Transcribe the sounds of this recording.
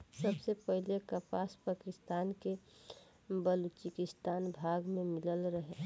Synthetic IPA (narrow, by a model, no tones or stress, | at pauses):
səbsepəɦlekəpaːspaːkɪst̪aːnke | bəlut͡ʃikɪst̪aːnbʱaːɡmẽmɪləlɾəɦe